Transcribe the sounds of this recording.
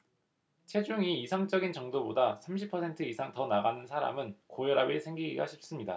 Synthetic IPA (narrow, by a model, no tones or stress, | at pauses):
t͡ɕʰe̞d͡ʑuŋiːsʰaŋt͡ɕ͈ʌɡint͡ɕʌŋdobodasʰamɕ̬ʰipʰʌsʰe̞ntʰɯisʰaŋtʌnaɡanɯnsʰaɾa̰mɯnkojʌɾabiɭsʰeŋɡiɡiɡa̰ɕʰip̚s͈ɯmɲida̰